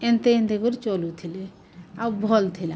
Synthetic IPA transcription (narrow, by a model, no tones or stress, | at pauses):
ent̪eẽnt̪ekuɾt͡ʃolut̪ʰile | aubʱɔlt̪ʰila